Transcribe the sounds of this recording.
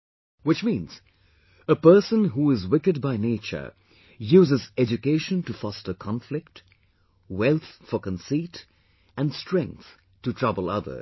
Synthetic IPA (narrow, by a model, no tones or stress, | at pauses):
wɨt͡ʃmĩnz̥ | əpɜ˞sə̃nɦuɪzwɪkɨd̚baɪneɪt͡ʃə̰˞ | juːzɨzɛd͡ʒɨkeɪʃə̃ntɨfɑstə˞kʰɑ̃ɱflɪk̚t | wɛlˠθfəkə̃nsit | ɨ̃nstɹ̥ɛ̃ŋk̚θ | tɨtʰɹ̥ʌbəl̩ˠʌ̰ðə̰˞